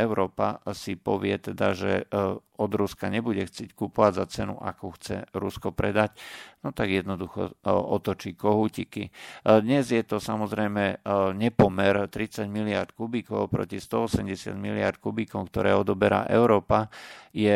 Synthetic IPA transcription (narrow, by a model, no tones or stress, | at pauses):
ɛʊɾɔːpa̰sipɔʋɪɛt̪ɛd̪aʒɛ̰ɔd̪ɾuskaɲɛbuɟɛxt͡sɪɛckupɔʋaɟzat͡sɛnṵʔa̰kuxt͡sɛ̰ɾuskɔpɾɛd̪acnɔt̪aɡjɛd̪nɔd̪uxɔ̰ɔt̪ɔt͡ʃiːkɔɦuːcikid̪ɲɛzjɛt̪ɔsamɔzɾɛjmɛɲɛpɔmɛɾt̪ɾit͡saɟmilɪaɾt̪̚kubikɔʊpɾɔ̰cist̪ɔɔsɛmɟɛsɪa̰d̪milɪa̰ɾt̪̚kubikɔmk̚t̪ɔɾɛːɔd̪ɔbɛɾa̰ːʔɛ̰ʊɾɔːpajɛ